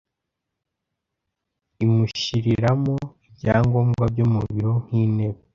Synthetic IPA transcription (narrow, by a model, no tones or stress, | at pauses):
imuʃiɾiɾamoibɟaːŋɡo̞ːmɡwabɟomuβiɾo̞ŋ̥hiːne̞βe